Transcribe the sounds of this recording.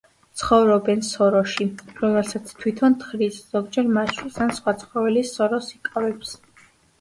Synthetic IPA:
t̪sʰχɔvɾɔbɛnsɔɾɔʃiɾɔmɛlsat̪sʰt̪ʰwit̪ʰɔnt̪ʰχɾisz̥ɔɡd͡ʒɛɾmaʃwisansχwat̪sʰχɾɔvɛlisɔɾɔsikʼavɛps

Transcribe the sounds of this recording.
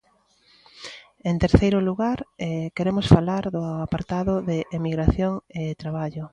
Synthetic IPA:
ent̪eɾθejɾʊluɣaɾɛkeɾemʊsfalaɾðʊapaɾt̪aðʊðɪʔemiɣɾaθjoŋet̪ɾaβ̞aʎʊ

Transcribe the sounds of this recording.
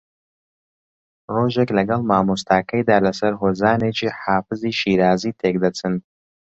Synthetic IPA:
roːʒeklɐɡɐlˠmaːmust̪aːkɐjd̪aːlɐsɐɾɦoːzaːneːt͡ʃiːħaːfɨziːʃiːɾaːziːt̪ʰek̚d̪ɐt͡sʰɨn

